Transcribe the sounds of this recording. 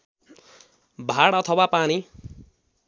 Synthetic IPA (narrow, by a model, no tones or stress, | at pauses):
bʱaɽʌt̪ʰʌwapani